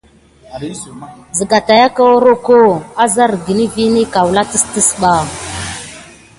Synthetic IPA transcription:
zi˨ɡa˨ta˨ja˦ka˦wo˦ɾo˦ko˦˨a˦za˦ɾɡi˨ni˦vi˦ni˦ka˨wla˦ti˦sti˦sɓa˨

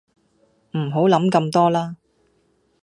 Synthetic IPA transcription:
m̩˨˩ɦo˨˥wlɐ˨˥mkɐ˧mt̪ɔː˥laː˥

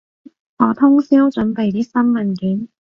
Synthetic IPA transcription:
ŋɔː˨˧t̪ʰʊ˥ŋsiː˥wt͡ʃɵ˨˥npe˨jt̪iː˥sɐ˥nmɐ˨˩nkiː˨˥n

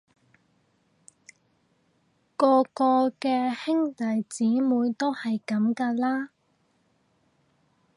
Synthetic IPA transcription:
kɔː˧kɔː˧kɛː˧hɪ˥ŋt̪ɐ˨jt͡siː˨˥muː˨˧˥jt̪o˥whɐ˨jkɐ˨˧˥mkɐː˧laː˥

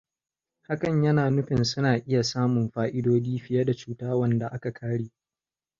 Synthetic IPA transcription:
ha˦kɐ˨ɲjɐ˦naː˨nʊ˦ɸɪ˨nsʊ˦naː˨ʔɪ˦ja˨saː˦mʊ˨mɸaː˦ʔɪ˦doː˦d͡ʒiː˦ɸɪ˦ja˦da˨t͡ʃuː˦taː˦wɐ˦nda˨ʔa˦ka˨kʰaː˦ɽeː˦

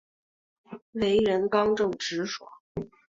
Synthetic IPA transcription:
le˧˥ɪɻə˧˥nkɑ˥ŋʈ͡ʂɤ˥˩ŋʈ͡ʂɻ̩˧˥ʂwɔ̰˨˩˦

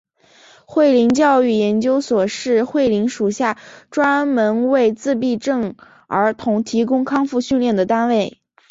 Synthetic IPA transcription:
xwe˥˩ɪli˧˥ŋt͡ɕjɑ˥˧ʊy˥˩jɛ˧˥nt͡ɕjo˥ʊswɔ˨˩ʂɻ̩˥˧xwe˥˩ɪli˧˥ŋʂu˨˩ɕja˥˩ʈ͡ʂwa˥nmə˧˥nwe˥˧ɪt͡sɹ̩˥˧p̬i˥˧ʈ͡ʂɤ˥˩ŋ | ə̰˞˧˥t̪ʰʊ˧˥ŋt̪ʰi˧˥k̬ʊ˥ŋkʰɑ˥ŋfu˥˧ɕy˥˧nljɛ˥˩nd̪ə˩t̪a˥nwe˥˩ɪ

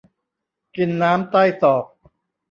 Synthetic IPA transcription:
ki˧nːaː˦˥mt̪a˥˩jsɔː˨˩k̚

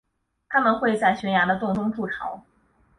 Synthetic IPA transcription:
t̪ʰa˥mə˨nxwe˥˧ɪt͡sa˥˩ɪɕɥɛ˧˥nja˧˥d̪ə˧t̪ʊ˥˩ŋt̪ʰʊ˥ŋʈ͡ʂu˥˩ʈ͡ʂʰɑ̰˧˥ʊ

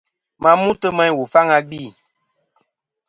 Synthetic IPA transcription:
mã˧mũ˦tə˦mã˧ɲ˦wo˨fa˦ŋa˧ɡ͡biː˦˨

